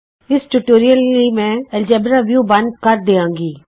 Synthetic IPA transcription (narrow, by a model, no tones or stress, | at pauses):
ɪsʈuʈoːɾijəlimɛ̃ːɛld͡ʒɛːbɾaʋjuːbɐ̃nd̪̚kɐɾd̪eːãːŋɡiː